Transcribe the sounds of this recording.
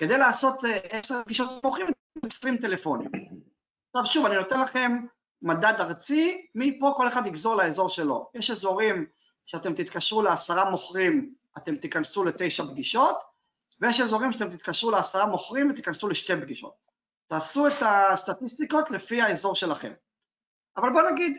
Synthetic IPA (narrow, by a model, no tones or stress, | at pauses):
ke̞d̪e̞jlaːso̞t̪eseʁb̚ɡiʃot̪moχʁimvt̪ | mzesʁimt̪ele̞fo̞nḭm | ʃavʃuvanino̞t̪enlaχe̞mː | ad̪ad̪aʁt͡simipo̞ko̞le̞χad̪iɡzo̞ʁlaezo̞ʁʃe̞lo̞̰jeʃezo̞ʁim | ʃeat̪e̞mt̪it̪kaʃʁuleasaʁamo̞χʁim | at̪e̞mt̪ikansule̞t̪e̞jʃabɡiʃo̞t̪ | vejeʃezo̞ʁimʃeat̪emt̪it̪kaʃʁuleasaʁamo̞χʁimvet̪i̥kansuleʃt̪ebɡiʃo̞̰t̪̚ː | aːsuet̪ast̪at̪ist̪iko̞t̪lefiaezo̞ʁʃe̞laχe̞̰m | avalbo̞naɡid̪